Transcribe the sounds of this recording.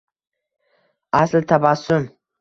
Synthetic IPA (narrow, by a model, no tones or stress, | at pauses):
aslt̪ʰabasʊm